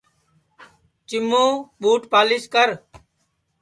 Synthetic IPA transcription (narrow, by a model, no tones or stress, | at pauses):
t͡ʃɪmːõːɓuːʈpaːlɪskəɾ